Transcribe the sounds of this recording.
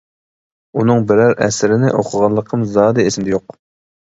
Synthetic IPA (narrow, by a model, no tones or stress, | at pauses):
unɨŋbɪɾæɾɛ̰sɪɾɪnɪʔoqʰəʁɑlˠːəqʰəmzɑːd̪ɨesɪmd̪ɛjoq